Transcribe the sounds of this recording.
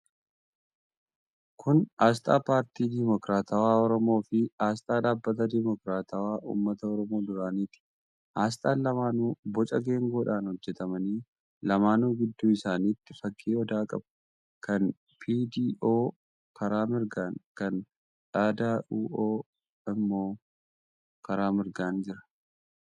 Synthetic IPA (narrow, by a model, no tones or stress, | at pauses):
kʰʊnaːs̬t̪ʼaːpaːɾt̪iːd̪imɔkɾaːt̪awaːɔɾɔmo̞ːfɪaːst̪ʼaːᶑaːbːɐt̪ɐd̪ɪmɔkɾaːt̪aːwaːʔṵːmːɐt̪ɐɔɾɔmo̞ːd̪ʊɾaːniːt̪ɪ̥ | aːs̬t̪ʼaːnlɐmaːnuːbɔt͡ʃʼɐɡe̞ːŋɡo̞ːᶑaːnhɔd͡ʒːɛt̪ɐmɐniː | lɐmaːnuːɡɪd̪ːuːɪsaːniːt̪ːɪfɐkːiːɔd̪aːkʼɐbɐ̥ | kʰɐn | pʰiːd̪iːʔo̞ː | kʰɐɾaːmɪɾɡaːŋkɐn | ᶑaːd̪aːʔuːʔoː | ɪmːo̞ː | kɐɾaːmɪɾɡaːnd͡ʒɪɾɐ̥